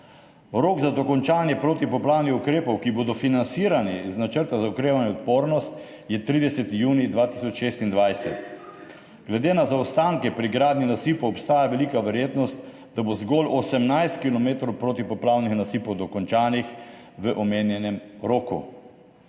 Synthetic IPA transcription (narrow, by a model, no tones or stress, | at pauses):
ɾoːɡzad̪ɔkɔnt͡ʃaːnjɛpɾoːt̪ipɔplawnixukɾeːpɔwkiboːd̪ɔfinansiɾaniznat͡ʃəɾt̪azaɔkɾeːʋanjɛɔt̪poːɾnɔst̪ | jɛt̪ɾiːd̪ɛsɛt̪ijuːnid̪ʋaːt̪isɔt͡ʃʃeːst̪ind̪ʋajsɛ̰t̪ | ɡlɛd̪eːnazaɔst̪aːŋkɛpɾiɡɾaːd̪ninasiːpɔwɔpst̪aːjaʋɛliːkaʋɛɾjeːt̪nɔst̪ | d̪̥abozɡɔlʔɔsɛmnajst̪̚kilɔmeːt̪ɾɔwpɾoːt̪ipɔplaːwnixnasiːpɔwd̪ɔkɔnt͡ʃaːnix | ʋəʔɔmeːnjɛnɛmɾoːkṵ